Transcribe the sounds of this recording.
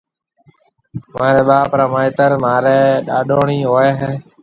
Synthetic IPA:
maːɾɛːɓaːpɾãːmaːɪt̪əɾmaːɾɛːɗaːɗoːɳiːɦoːeːɦeː

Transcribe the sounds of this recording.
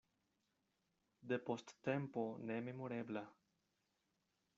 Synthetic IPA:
d̪epost̪ːempo̞neme̞moɾebla

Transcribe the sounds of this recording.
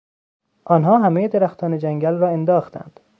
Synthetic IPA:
ʔɒːnɦɒːɦæmejed̪eɾæxt̪ʰɒːned͡ʒæŋɡælrɒːe̞nd̪ɒːxt̪ʰæ̰nd̪̥

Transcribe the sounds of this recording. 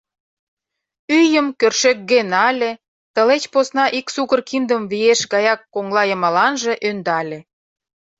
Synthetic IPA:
yjəmkørʃek̚ɡenɑlʲe | t̪əlet͡ɕposnɑʔiksuɣərkind̪əmβijeʃɣɑjɑkːoŋlɑjə̆mɑlɑnʒĕʔønd̪ɑlʲe

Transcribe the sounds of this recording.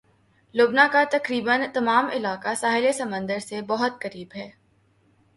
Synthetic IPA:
loːbnakat̪ɐkɾiːbənt̪ɐmaːmɪlaːkasaːɦɪlesɐmə̃nd̪əɾsebɔɦʊt̪kɐɾiːbɦɛː

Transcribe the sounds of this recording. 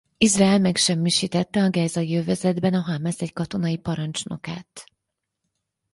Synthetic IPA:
izrɛɛlmɛkʃɛmːiʃiːt̪ɛt̪ːɛɒɡɛːzɒjøvɛzɛd̪bɛnɒɦaːmasɛckɒt̪o̞nɒipɒɾɒnt͡ʃno̞̰ka̰ːt̪

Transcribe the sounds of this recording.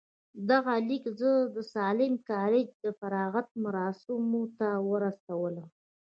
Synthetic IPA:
d̪aɣalikzəd̪əsɑlɪmkɑɾɪd͡ʒd̪əfaɾɑɣat̪̚maɾɑsɪmot̪awəɾasawələm

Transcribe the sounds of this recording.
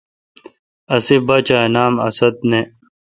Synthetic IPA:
ɐsibɐt͡ɕaːnaːmɐ̰sɐt̪̚ne

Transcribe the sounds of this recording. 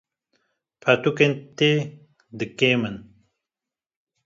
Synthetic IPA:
pʰat̪ukent̪e | d̪ɨkemən

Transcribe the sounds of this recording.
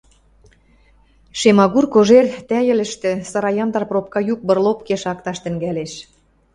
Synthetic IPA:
ʃemɑɣurkoʒert̪æjə̆lə̆ʃt̪ĕsɑɾɑjɑmt̪ɑrprop̚kɑjuk̚bə̆rlopkeʃɑkt̪ɑʃt̪ə̆ŋɡæleʃ

